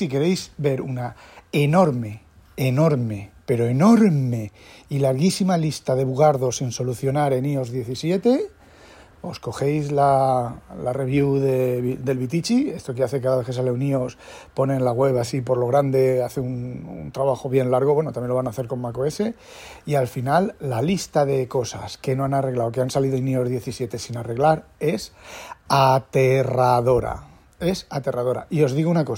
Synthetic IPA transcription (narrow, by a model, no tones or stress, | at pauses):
sike̞ɾe̞jsbe̞ɾunaeno̞ɾme̞ | eno̞ɾme̞pe̞ɾo̞eno̞ɾme̞ | ilaɾɣisimalist̪aðe̞βuɣaɾðo̞sinso̞luθjo̞naɾe̞nio̞zðje̞θisje̞t̪e̞ | o̞sko̞xe̞jzla | lare̞βjuðed̪e̞lβit̪it͡ʃie̞st̪o̞k̬eaθekaðaβe̞θkesale̞unio̞s | po̞nẽ̞nlaɣwe̞βasipo̞ɾlo̞ɣɾand̪e̞aθeunṵnt̪ɾaβaxo̞β̞je̞nlaɾɣ̞oβwe̞not̪amjnloβanaθe̞ɾko̞mmakoe̞se̞ | ialfinalːalist̪aðe̞ko̞sa̰ske̞no̞anare̞ɣlaokeansaliðonio̞zðje̞θisje̞t̪e̞sinare̞ɣlaɾe̞sat̪e̞raðo̞ɾa̰ | e̞sat̪e̞raðo̞ɾa̰io̞zðiɣunako̞